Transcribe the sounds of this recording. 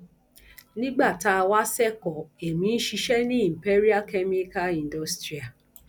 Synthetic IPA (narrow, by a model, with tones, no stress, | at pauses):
nĩ˦ɡ͡ba˦˨ta˦˧wa˦sɛ˦kɔ˨e˨mĩ˨˦n̩˦ʃi˧ʃɛ˦nĩ˦i˨m̩˨pe˦ɾi˦a˦ke˦mi˦ka˦ĩ˨n˨do˦stɾi˨a˨